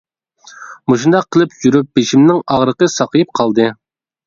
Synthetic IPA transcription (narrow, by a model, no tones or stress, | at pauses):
muʃ̬und̪ɑqʰːəlˠɨpjyɾyp̚beʃimnɪŋɑʁɾəqəsɑqəjɪp̚qʰɑlˠd̪ɨ